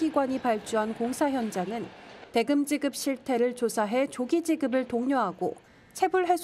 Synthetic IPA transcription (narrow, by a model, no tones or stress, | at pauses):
iɡwaɲipaɭt͡ɕ͈uɦankoŋsʰaɦjʌnd͡ʑaŋɯnte̞ɡɯmd͡ʑiɡɯp̚ɕ͈ʰiɭtʰe̞ɾɯɭt͡ɕosʰaɦe̞t͡ɕoɡid͡ʑiɡɯbɯɭtoŋɲoɦaɡo | t͡ɕʰe̞buɭɦe̞sʰ